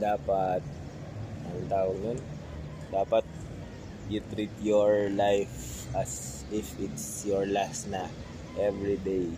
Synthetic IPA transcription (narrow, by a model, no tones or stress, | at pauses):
d̪aːpɐt̪̚ | ʔɐŋt̪aːʔoŋjon | d̪aːpɐt̪̚ | jut̪ɾit̪joɹlajf | ʔɐsʔɪfɪt̪sjɔɹlasnɐ | ʔɛvɹid̪ej